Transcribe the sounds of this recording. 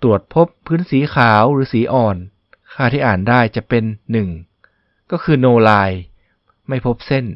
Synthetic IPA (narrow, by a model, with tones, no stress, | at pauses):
t̪u˨˩ət̪̚pʰo˦˥pʰːɯː˦˥nsiː˨˩˦kʰaː˩˦wɾɯː˩˦siː˩˦ʔɔː˨˩n | kʰaː˥˩t̪ʰiː˥˩ʔaː˨˩ndaː˥˩jt͡ɕa˨˩pe˧nːɯ˨˩ŋ | kɔː˥˩kʰɯː˧noː˧laː˧j | ma˥˩jpʰo˦˥p̚se˥˩n